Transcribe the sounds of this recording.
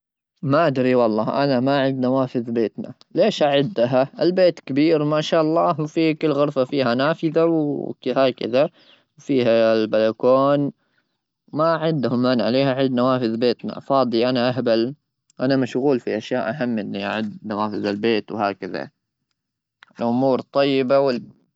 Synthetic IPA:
maʔad̪ɾiwɑlˤːɑːʔanamaʔaʕɪd̪nawaːfɪðbeːt̪na̰ | leːʃʔaʕɪd̪ːaɦaʔɪlbeːt̪kabiːɾmaʃaːʔɑlˤːɑːhwfikɪlːɣʊɾfafiːhanaːfɪðawkhaːkɪ̰ða | wfiːhalbalakoːn | wmaʕɪnd̪hʊmːaːnʕaleːhaʕɪd̪nawaːfɪðbeːt̪na̰fɑːd̪ˤiʔanaʔaɦbal | ʔanamaʃɣuːlfiʔaʃjaːʔaɦamːʔɪnːiʔa̰ʕɪd̪nawaːfɪðalbeːt̪whaːkaða̰ | lʔʊmuːɾt̪ˤːɑjːɪbawɪl

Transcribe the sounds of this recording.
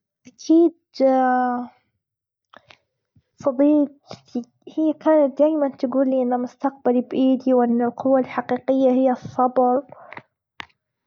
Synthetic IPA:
ʔakʰiːd̪ | fɑb̪ˤiːd̪i | hɪjːakaːnat̪̚d̪aːjmant̪aɡuːlːiːʔɪnːamʊst̪aq̚balbʔiːd̪iwʔɪnːɪlqʊwːalħaqiːqɪjːahɪjːasˤːɑbɾ

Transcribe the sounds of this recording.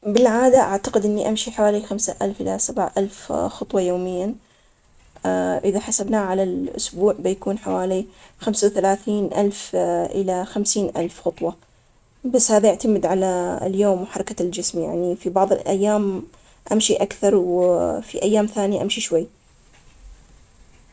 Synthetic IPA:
bɪlʕaːd̪aʔaʕt̪aqɪd̪ʔɪnːiʔamʃiħawaːlixamsaʔalfʔɪlasabʕʔalfxʊt̪ˤwɑjoːmɪjːa | ʔɪðaħasabnaːʕalalʔʊ̰sbuːʕbɪjakuːnħawaːlixamsawθalaːθiːnʔalfʔɪlaxamsiːnʔa̰lfxʊt̪ˤwɑ | basːhaːðajɪʕt̪amɪd̪ʕala̰ljoːmwħɑɾˤkald͡ʒɪsmja̰ʕnifibɑʕðˤɨlʔa̰jːaːm | ʔamʃiʔakθɑɾˤwfiʔajːaːmθaːnjaʔamʃiʃwajː

